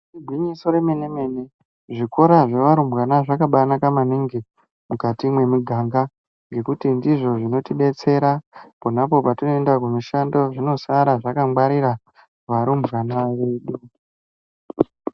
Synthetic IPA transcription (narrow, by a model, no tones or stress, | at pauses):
ubʱwiɲiso̞ɾe̞me̞ne̞me̞ne̞ | ʐiko̞ɾaʐe̞ʋaɾumbɣanaʐakaɓanakamaniŋɡe | mukatimwe̞miɡʱaːŋɡa | ŋɡe̞kutindiʐo̞ʐino̞tiɗe̞t͡se̞ɾaponapo̞patino̞endakuniʃando̞ʐino̞saɾaʐakaŋɡ͡baɾiɾa | ʋaɾumbʱɣanaʋeɗu